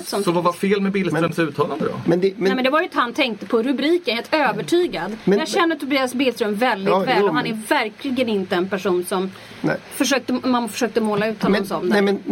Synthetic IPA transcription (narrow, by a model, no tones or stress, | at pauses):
sɔmsɔvavafeːlmɛbɪlsɾɵmsʉ̟ːt̪ʰɑːland̪əd̪ɔ̰mɛnd̪ɛɛɛmɛnd̪ɛvaɾjɪnt̪əhant̪ʰɛŋk̚t̪əpʰɔɾɵbɾiːkənheːlt̪øːvəʈʰyːɡad̪mɛjɑːɡɕɛnːəʈ̪ʰʊɾbiːasbɪlst̪ɾɵmvɛld̪ɪvɛːlɔhanæɾvæɾkʰlɪɡənɪnt̪əɛnpæʂuːnsɔm | fœʂøːk̚t̪əmaːafœ̥ʂøːk̚t̪əmoːlaʉ̟ːt̪hɔnɔmsɔmd̪ɛɛɛn